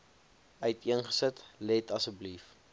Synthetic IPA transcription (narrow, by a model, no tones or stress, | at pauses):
œɥtiənχə̥sətlɛtɐsəblif